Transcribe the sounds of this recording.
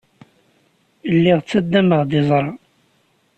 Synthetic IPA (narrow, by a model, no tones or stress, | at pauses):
lːiʁt͡sːæd̪ːæməʁd̪ɪzˤɾˤɑ